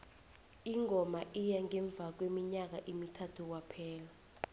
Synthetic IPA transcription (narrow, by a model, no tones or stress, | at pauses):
iŋʱɔmaʔijaŋɛɱb̪vʱak̬wemiɲak̬aʔimitʰatʰuk̬wapʰɛːla